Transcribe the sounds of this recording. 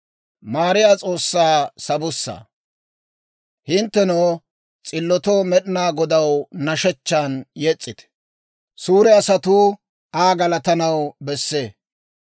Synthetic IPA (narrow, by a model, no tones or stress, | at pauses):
maːɾɪjaːt͡sʼo̞ːsːaːsɐbʊsːa̰ː | hɪnt̪ːɛnoː | t͡sʼɪlːɔt̪oːmɛɗɪnaːɡɔd̪ɐwnɐʃɛt͡ʃːaːnjɛt͡sʼːɪt̪ɛ̥ | suːɾɛɐsɐt̪uː | aːɡɐlɐt̪ɐnɐwbɛsːe̞ː